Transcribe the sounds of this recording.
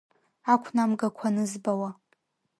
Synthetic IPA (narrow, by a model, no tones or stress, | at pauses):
akʷʰnamɡakʷʰanɨzbawa